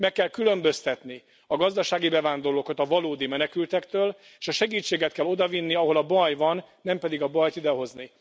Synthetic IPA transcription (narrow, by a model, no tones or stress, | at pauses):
mɛkːɛlkylø̞mbø̞st̪ɛt̪ni | ɒɡɒzd̪ɒʃaːɡibɛvaːnd̪o̞rloːkɒt̪ɒvɒloːd̪imɛnɛkylt̪ɛkt̪øːl | eːʃɒʃɛɡiːt͡ʃːeːɡɛt̪̚kɛlo̞d̪ɒvinːiɒɦo̞lɒbɒjvɒnːɛmpɛd̪iɡɒbɒjt̪id̪ɛɦo̞zni